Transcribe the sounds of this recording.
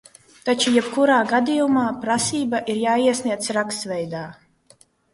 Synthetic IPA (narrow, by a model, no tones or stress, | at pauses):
t̪at͡ʃujɛbkuɾaːɡad̪ijumaːpɾasiːbaʔiɾjaːiɛsniɛsɾakst̪vɛjd̪aː